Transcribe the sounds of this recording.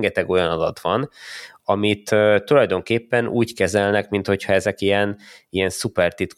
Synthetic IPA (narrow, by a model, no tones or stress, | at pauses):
ŋɡɛt̪ɛɡo̞jɒnɒd̪ɒt̪ʋɒnɒmit̪øt̪ːulɒjd̪o̞ŋkeːpːɛnʔuːckɛzɛlnɛkmint̪ho̞chɒɛzɛkijɛnijɛnsupɛrt̪it̪